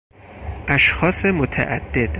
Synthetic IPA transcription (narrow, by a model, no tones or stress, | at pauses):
ʔæʃxɒːse̞mot̪ʰæ̰ʔæ̰d̪̥ːe̞d̪̥